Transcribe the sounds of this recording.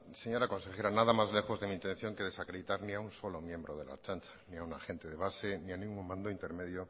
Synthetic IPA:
seɲo̞ɾako̞nse̞xe̞ɾanaðamazle̞xo̞zðe̞mĩːnt̪ẽ̞n̟θjo̞ŋke̞ð̞e̞sakɾeðit̪aɾniaunso̞lomjẽ̞mbɾoð̞e̞̰la̰t͡ʃant͡ʃḁniaunaxe̞nt̪e̞ðe̞β̞ase̞nianĩŋɡuŋmãnd̪oint̪e̞ɾme̞ðjo

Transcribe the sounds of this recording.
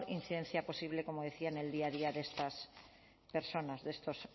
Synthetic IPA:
ɾin̟θiðen̟θjaposiβ̞lekomoð̞eθianeld̪iaðiaðest̪as | peɾsonazðest̪os

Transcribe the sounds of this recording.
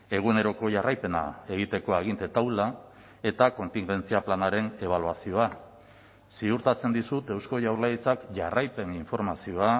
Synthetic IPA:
e̞ɣ̞une̞ɾo̞ko̞ʝarajpe̞na̰e̞ɣ̞it̪e̞ko̞aɣ̞int̪e̞t̪awla | e̞t̪ako̞nt̪iŋɡe̞nt͡siaplanaɾe̞ne̞β̞aluasio̞a | siuɾt̪at͡se̞nd̪isut̪e̞wsko̞ʝawɾlait͡sakʝarajpe̞niɱfo̞ɾmasio̞a

